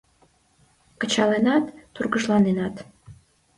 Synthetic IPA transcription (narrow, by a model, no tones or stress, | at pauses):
kə̆t͡ɕɑlenɑt̪ːurɡəʒlˠɑnenɑt̪